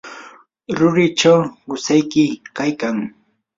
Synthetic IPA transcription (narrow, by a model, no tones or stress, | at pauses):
ɾʊɾɪt͡ʃawɢʊsajkɪkajkaŋ